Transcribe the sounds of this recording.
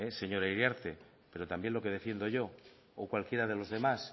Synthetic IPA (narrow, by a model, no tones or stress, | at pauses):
ese̞ɲo̞ɾaiɾjaɾt̪e̞ | pe̞ɾo̞t̪ambje̞nlo̞ke̞ð̞e̞fje̞nd̪o̞ʝo̞ː | kwalkje̞ɾað̞e̞lo̞zðe̞mas